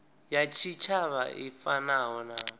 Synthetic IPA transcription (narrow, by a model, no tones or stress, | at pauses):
jat͡ʃʰit͡ʃʰaβa̰ifanaɦɔna